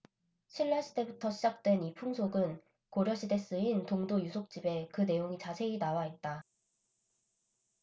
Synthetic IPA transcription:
ɕʰiɭːaɕʰide̞butʰʌɕʰid͡ʑak̚t͈we̞nipʰuŋsʰoɡɯn | koɾjʌɕʰide̞s͈ɯintoŋdojusʰok̚t͡ɕ͈ibe̞kɯne̞joŋit͡ɕasʰe̞inawaet̚t͈a

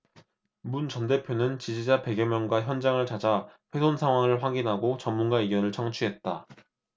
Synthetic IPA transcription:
munt͡ɕʌnde̞pʰjonɯnt͡ɕid͡ʑid͡ʑape̞ɡjʌmjʌnɡwaçjʌnd͡ʑaŋɯɭt͡ɕad͡ʑaɸwe̞sʰonsʰaŋwaŋɯɭɸwaɡinɦaɡot͡ɕʌmːunɡaiɡjʌnɯɭt͡ɕʰʌŋt͡ɕʰuɦe̞t̚t͈a

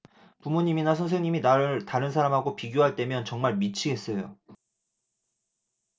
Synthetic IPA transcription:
pumuɲiminas̬ʰʌns̬ʰe̞ŋɲiminaɾɭtaɾɯnsʰaɾamɦaɡopiɡjoɦaɭt͈e̞mjʌnt͡ɕʌŋmaɭmit͡ɕʰiɡe̞s͈ʌjo

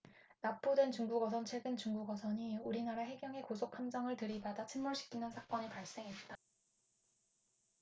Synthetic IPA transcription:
nap͈udwe̞nt͡ɕuŋɡuɡʌsʰʌnt͡ɕʰwe̞ɡɯnt͡ɕuŋɡuɡʌsʰʌɲiuɾinaɾaɦe̞ɡjʌŋe̞kosʰokʰamd͡ʑʌŋɯɭtɯɾibadat͡ɕʰinmuɭɕʰi̥kʰinɯnsʰak͈ʌɲepaɭs͈e̞ŋɦe̞t̚t͈a

